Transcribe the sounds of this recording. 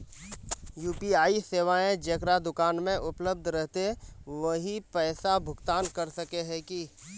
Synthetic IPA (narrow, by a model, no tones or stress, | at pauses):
juːpiaːiseːʋaẽd͡ʒɐkɾad̪ʊkaːnmẽʔʊpləb̚d̪ʱɾɛɦt̪eʋɐɦipɛːsabʱʊɡt̪aːnkɐɾsɐkeɦɛ̃ki